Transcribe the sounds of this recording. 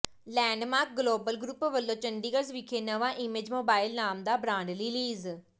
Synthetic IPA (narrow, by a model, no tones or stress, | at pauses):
lɛ̃ːɳɖmaːɾk̚ɡloːbəlɡɾuːpʋəlːõːt͡ʃəɳɖiːɡəɾsʋɪkʰeːnəʋãːʔɪmeːd͡ʒmoːbaːɪlnaːmd̪aːbɾãːɳɖliːliːz